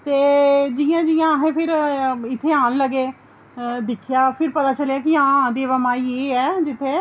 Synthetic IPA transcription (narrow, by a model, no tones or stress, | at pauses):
t̪eːd͡ʒɪjãːd͡ʒɪjãːɦẽːpʰɪɾɪt̪ʰːeːãːnləɡeː | d̪ɪkʰjaːpʰɪɾpət̪aːt͡ʃəljaːkɪãːd̪eːʋəmaːiːeːɛːd͡ʒɪt̪ʰːeː